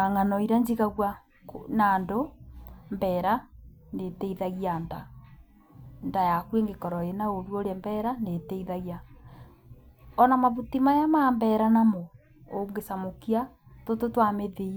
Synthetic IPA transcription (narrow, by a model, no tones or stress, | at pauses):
aŋanɔiɾaɲd͡ʒiɣaɣwa | knaːndo | mbɛːɾa | netɛiðaɣianda | ndajakweŋɡekɔɾɔenaoɾwoɾɛmbɛɾanetɛiðaɣia | ɔnamaβutimajamambɛɾanamo | oŋɡesamokia | tototwameðe